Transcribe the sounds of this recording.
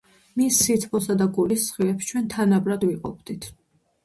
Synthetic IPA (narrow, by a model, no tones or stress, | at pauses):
misːit̪ʰpʰɔsad̪aɡulissχilɛpst͡ʃʰwɛnt̪ʰanabɾad̪viqʼɔp̚ʰd̪̥it̪ʰ